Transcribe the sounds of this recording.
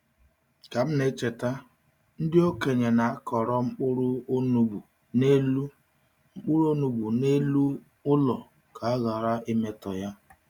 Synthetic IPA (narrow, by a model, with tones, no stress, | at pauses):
ka˨m̩˦ne˦t͡ʃe˨ta˦ | n̩˦dɪ˦o˦ke˨ɲe˨na˨a˦kʰɔ˨ɾɔ˦ŋ͡m̩˦k͡pʊ˦ɾʊ˦nu˦bu˨ | ne˦lu˦ | ŋ͡m̩˦k͡pʊ˦ɾo˦nu˨bu˨ne˦lu˦ | ʊ˦lɔ˨ | kʰa˨a˦ɣa˨ɾa˦e˦me˦tɔ˨ja˦